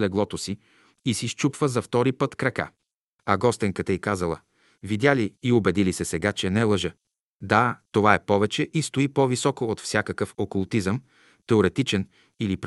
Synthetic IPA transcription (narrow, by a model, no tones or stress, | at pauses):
lɛɡlˠɔt̪osi | isist͡ʃupvəzɐft̪ɔɾipət̪kɾɐka̰ | ɐɡɔst̪ɛŋkət̪ɐikazəlˠə̰ | vid̪jaliːobɛd̪ilisɛsɛɡat͡ʃɛnɛlˠəʒə | d̪at̪ovaɛpɔvɛt͡ʃɛʔist̪oipovisɔkoːt̪fsʲakəkəfokulˠt̪izəm | t̪ɛoɾɛt̪it͡ʃɛn | ilipɾ